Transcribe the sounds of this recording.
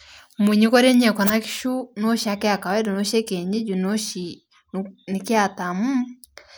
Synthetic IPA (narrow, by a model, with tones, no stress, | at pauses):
mu˨ɲi˦kɔ˦ɾe˦ɲɛ˦˨kɔ˨na˦ki̥˦ʃu˦no˦ʃa˨˦kɛ˦a˨ka˨wɛ˦du˨no˦ʃe˦ke˨ɲi˦d͡ʒu˨no˦ʃi˨ | ni˨ki˦a˨ta˨mu˦